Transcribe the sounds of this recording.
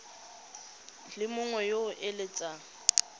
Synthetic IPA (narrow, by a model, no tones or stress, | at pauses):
lɪmʊŋwɛjoʊʔɪlɪt͡sʼa